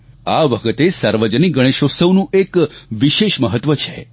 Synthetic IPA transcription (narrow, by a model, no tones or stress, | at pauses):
aʋəkʰət̪esaɾʋəd͡ʒəniɡəɽ̃eʃosəwnũʔekʋiʃeʃməɦət̪ʋət͡ʃʰe̥